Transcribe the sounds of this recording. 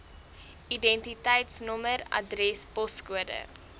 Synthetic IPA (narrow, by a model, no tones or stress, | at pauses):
idɛntitɛjtsnɔmərɐ̰drɛspɔskuədə̰